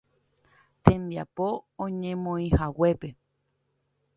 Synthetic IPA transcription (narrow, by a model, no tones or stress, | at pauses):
t̪ẽmbiapoõɲẽmõĩhawe̞pe̞